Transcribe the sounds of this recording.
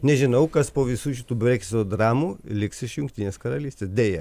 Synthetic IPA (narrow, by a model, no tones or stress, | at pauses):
nʲɛʒʲɪnɐʊkɐspoːʋʲɪsuːʃʲɪt̪uːbʲɾʲɛksʲɪt̪oːd̪ɾɑːmuːlʲɪksɪʃjʊŋkt̪ʲiːnʲeːskɐɾɐlʲiːsʲt̪ʲeːsd̪ʲeːjɛ